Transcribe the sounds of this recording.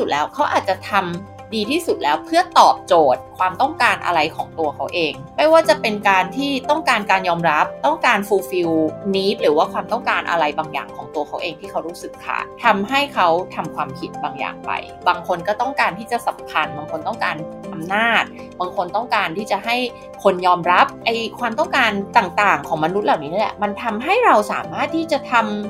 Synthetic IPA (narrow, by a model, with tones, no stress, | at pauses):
u˨˩t̪̚lɛː˦˥wkʰa˦˥wʔa̰ː˨˩t̪̚t͡ɕa˨˩t̪ʰa˧m | diː˧t̪ʰiː˥˩su˨˩t̪̚lɛː˦˥wpʰɯ˥˩ɐt̪ɔː˨˩p̚t͡ɕoː˨˩t̪̚kʰwaː˧mt̪ɔ˥˩ŋkaː˧nʔa̰˧ɾa˧jkʰɔː˩˦ŋt̪u˧ɐkʰa˦˥wʔeː˧ŋma˥˩jwaː˥˩t͡ɕa˨˩pe˧nkaː˧nt̪ʰiː˥˩t̪ɔ˥˩ŋkaː˧nkaː˧njɔː˧mɾa˦˥p̚t̪ɔ˥˩ŋkaː˧nfuː˧fi˧wniː˦˥p̚ɾɯː˩˦waː˥˩kʰwaː˧mt̪ɔ˥˩ŋkaː˧nʔa̰˧ɾa˧jbaː˧ŋja̰ː˨˩ŋkʰɔː˩˦ŋt̪u˧ɐkʰa˦˥wʔeː˧ŋt̪ʰiː˥˩kʰa˦˥wɾuː˦˥sɯ˨˩kʰːa̰ː˨˩t̪ʰa˧mɦa˥˩jkʰa˦˥wt̪ʰa˧mkʰwaː˧mkʰi˦˥t̪̚baː˧ŋja̰ː˨˩ŋpa̰˧j | baː˧ŋkʰo˧nkɔː˥˩t̪ɔ˥˩ŋkaː˧nt̪ʰiː˥˩t͡ɕa˨˩sa˩˦mkʰa˧nbaː˧ŋkʰo˧nt̪ɔ˥˩ŋkaː˧nʔa˧mnaː˥˩t̪̚ | baː˧ŋkʰo˧nt̪ɔ˥˩ŋkaː˧nt̪ʰiː˥˩t͡ɕa˨˩ɦa˥˩j | kʰo˧njɔː˧mɾa˦˥p̚ʔa˧jkʰwaː˧mt̪ɔ˥˩ŋkaː˧nt̪aː˨˩ŋt̪aː˨˩ŋkʰɔː˩˦ma˧nu˦˥t̪̚laː˨˩wniː˦˥n˥˩lɛ˨˩ʔma˧nt̪ʰa˧mɦa˥˩jɾa˧wsaː˩˦maː˥˩t̪ʰːiː˥˩t͡ɕa˨˩t̪ʰa˧m